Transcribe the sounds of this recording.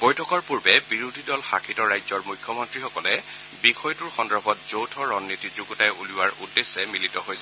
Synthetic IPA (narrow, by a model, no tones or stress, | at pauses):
bɔjtʰɔkɔɹpuɹbɛbiɹudʱidɔlxakʰitɔɹajzɔɹmujkʰːjɔmɔntɹixɔkɔlɛ | bixɔjtuɹxɔndɔbʱɔt̚z̥owtʰɔɹɔnːitizuɡɔtajuliwaɹudːesːɛmilitɔɦojsɛ